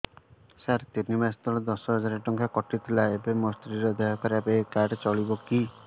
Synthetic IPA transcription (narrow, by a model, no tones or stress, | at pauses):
saɾt̪inimast̪ɔlɔd̪ɔsɔɦɔd͡ʒaɾeʈɔŋkʰakɔʈit̪ʰilaebemɔst̪ɾiɾɔd̪ɔɦɔkʰaɾapekaʈt͡ʃɔɭibɔki